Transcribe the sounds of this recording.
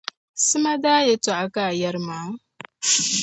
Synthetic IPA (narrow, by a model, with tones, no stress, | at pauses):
sɨ˦ma˦daː˦je˦tʊ˨ʔa˦ka˦˨ja˦ɾmaː˨˦